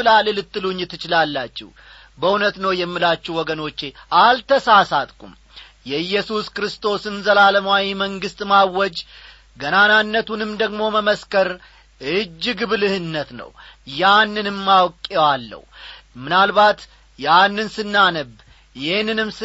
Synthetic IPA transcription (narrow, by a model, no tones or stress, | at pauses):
ɨlalɨlɨt̪ʰʼːɨluɲːɪt̪ʰːɨt͡ʃɪlalːat͡ʃːɪ̰h | bəunət̪nəwjɛmːilat͡ʃːuhwɔɡəno̞t͡ʃːe̞ʔalt̪ʰəsasat̪ʼkʼṵm | jɛɨjːɛsuskɾɨst̪ʰo̞sɨnzəlaləmawiməŋɡɨst̪ʼmawːɔd͡ʒ | ɡənananːət̪ʰunɨmd̪əɡmo̞məməskəɾ | ʔɨd͡ʒːɨɡɨβlɨhɨnːət̪nə̰wjanːɨnɨmːawkʼːewalːə̰humɨnalbat̪ | janːɨnsɨnːanəb | jɪhnːɨnɨmsɨ